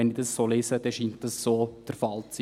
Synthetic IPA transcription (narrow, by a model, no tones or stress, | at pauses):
ɛnɪdɑssoleːsəd̥ɛʃiːnt̚dɑssoːd̥əɾfɑlt͡s